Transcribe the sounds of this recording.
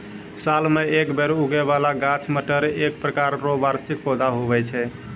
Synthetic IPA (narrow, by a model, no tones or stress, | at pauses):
salmeekbeɾuɡɛβalaɡãt͡ʃməʈəɾek̚pɾəkaɾɾobaɾsik̚pɔd̪aɦoβɛt͡ʃʰɛ